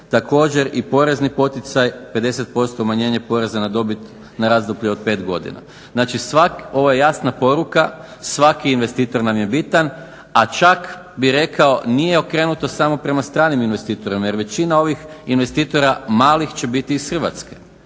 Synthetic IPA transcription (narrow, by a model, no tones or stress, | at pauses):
t̪ako̞ːd͡ʑe̞ɾipo̞ɾe̞znipo̞t̪it̪sajpe̞d̪e̞set̪̚po̞st̪omaɲe̞ːɲe̞po̞ɾe̞zanad̪o̞bit̪ | naɾazd̪opʎeo̞d̪̚pe̞ːt̪ɡo̞̰d̪ḭna̰ | znaːt͡ʃisʋako̞ʋojejasnapo̞ɾuka | sʋakiːnʋe̞st̪iːt̪o̞ɾnamje̞bit̪an | at͡ʃak | biɾe̞kao̞nije̞o̞kɾe̞ːnut̪o̞samo̞pɾe̞mast̪ɾaːniminʋe̞st̪iːt̪o̞ɾimaje̞ɾʋe̞t͡ɕinao̞ʋixinʋe̞st̪iːt̪o̞ɾamaːlixt͡ɕe̞bit̪iːsxr̩ʋa̰t̪ske̞̥